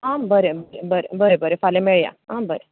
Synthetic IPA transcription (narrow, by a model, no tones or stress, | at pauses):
ambəɾebəɾebəɾḛbəɾebəɾefalemeɭja̰ambəɾe